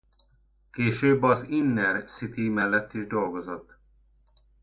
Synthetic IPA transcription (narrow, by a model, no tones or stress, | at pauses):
keːʃøːbːɒzinːɛrsit̪imɛlːɛt̪ːiʒd̪o̞lɡo̞zot̪ː